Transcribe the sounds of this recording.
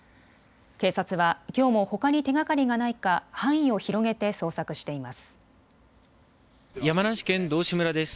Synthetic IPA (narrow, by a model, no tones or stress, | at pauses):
ke̞ːsat͡sɨβakʲo̞ːmo̞ho̞kaɲ̟it̪e̞ɡakaɾʲiɡanaikahãɰ̃ĩo̞çiɾo̞ɡe̞t̪e̞so̞ːsakɯ̟ɕi̥t̪e̞imasɨ̥ | jamanaɕi̥kẽ̞nd̪o̞ːɕimɯ̟ɾad̪e̞sɨ̥